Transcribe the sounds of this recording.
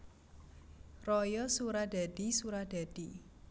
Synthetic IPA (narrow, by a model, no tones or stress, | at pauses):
rɔjɔsuɾad̥a̤d̥i̤suɾad̥a̤d̥i